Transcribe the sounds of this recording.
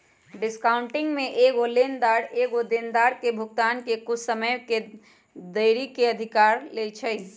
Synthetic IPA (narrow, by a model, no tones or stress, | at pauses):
ɖɪskaʊɳʈɪŋɡmẽʔeɡolend̪aːɾeɡod̪end̪aɾkebʱʊk̚t̪aːnkekʊt͡ʃʰsəməjke | d̪əɪɾikeəd̪ʱikaːɾlet͡ʃʰəɪ